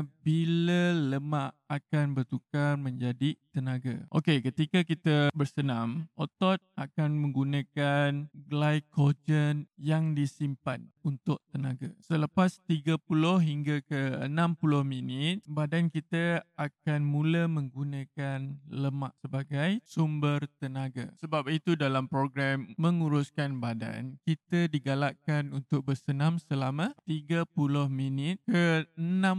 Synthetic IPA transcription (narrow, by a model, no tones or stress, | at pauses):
bilələmãʔakanbərt̪ukarmə̃ɲd͡ʒadit̪ənãɡa̰ʔokekət̪ikakit̪əbərsənãmʔot̪ɔt̪̚ʔakanmə̃ŋɡunakanɡlajkod͡ʒənjaŋdisimpanunt̪ʊʔ̚t̪ənaɡasələpast̪iɡapulʊhɦiŋɡakəənãmpulʊhminɪt̪̚badankit̪əakanmũləmə̃ŋɡunãkanləma̰ʔsəbaɡajsumbərt̪ənaɡa̰səbap̚it̪udalampɾoɡɾamːəŋuɾʊskanbada̰nkit̪ədiɡalaʔkanunt̪ʊk̚bərsənamsəlamãt̪iɡapulʊhminɪt̪̚kəənãm